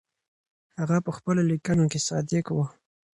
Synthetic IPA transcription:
haɣapəxpəlolikanokesɑd̪ɪkwə

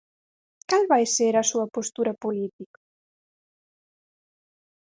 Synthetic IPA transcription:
kalβajseɾɐsuɐpost̪uɾɐpolit̪ikɐ̥

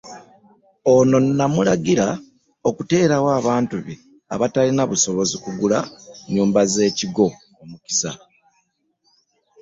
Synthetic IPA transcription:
o̞no̞nːamulaɡiɾa | o̞kute̞ːɾawaːβaːntuβi | a̰βatalinaβuso̞βo̞zikuɡulaɲuːmbaze̞ːciɡo̞ | omuki̥sa̰

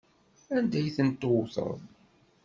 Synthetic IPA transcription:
ænd̪æjθənt̪ːowθə̰ðˤ

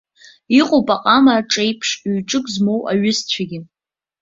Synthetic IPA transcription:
iqʼowpʼaqʼamaʈ͡ʂʼejpʰʂɥʈ͡ʂʼɨkʼzmowʔa̰ɥʊst͡ɕʷʰaɡʲɪ

